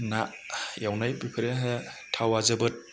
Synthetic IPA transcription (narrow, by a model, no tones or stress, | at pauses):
na | jawnajbikʰɯɾeɦɯtʰawazɯbɯt̚